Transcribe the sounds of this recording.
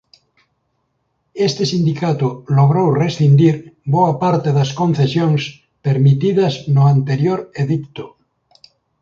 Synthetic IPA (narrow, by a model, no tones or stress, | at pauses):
est̪esind̪ikat̪oloɣ̞ɾowresθind̪iɾboapaɾt̪eðaskõnθesjoŋs | peɾmit̪iðaznoant̪eɾjoɾeðikt̪o